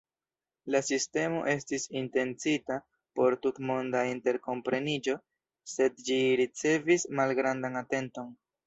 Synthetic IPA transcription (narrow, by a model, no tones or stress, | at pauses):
lasiste̞mo̞̰ʔe̞stisinte̞nt͡sita | po̞ɾtutmo̞ndainte̞ɾko̞mpɾe̞nid͡ʒo̞ | se̞dd͡ʒiɾit͡se̞vismalɡɾandanate̞nto̞n